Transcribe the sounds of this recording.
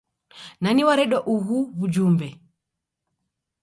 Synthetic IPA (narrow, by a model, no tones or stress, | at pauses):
naniwaɾɛɗɔʔuɣuβud͡ʒumbɛ